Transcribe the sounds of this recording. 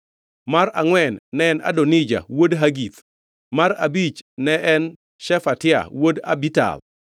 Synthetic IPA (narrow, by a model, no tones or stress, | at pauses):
maɾaŋwɛnːɛɛna̰donid͡ʒa̰wodɦaɡit̪ | maɾa̰bit͡ʃnɛɛn | ʃɛfatɪa̰woda̰bita̰l